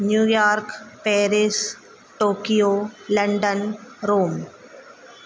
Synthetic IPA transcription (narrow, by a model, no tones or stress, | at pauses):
njuːjaːɾkpɛːɾɪs | ʈoːkijoːlɐ̃ɳɖənɾoːm